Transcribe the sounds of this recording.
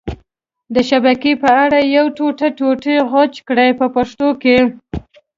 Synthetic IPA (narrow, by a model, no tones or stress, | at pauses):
d̪əʃabakepəaɽajawʈoʈaʈoʈeɣɑt͡ʃkɽajpəpaʂt̪oke